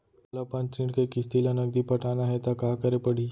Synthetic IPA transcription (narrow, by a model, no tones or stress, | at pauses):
lapãnt͡ʃɾiʈkekist̪ilanəɡd̪ipəʈanaɦet̪akakəɾepəɽ̤i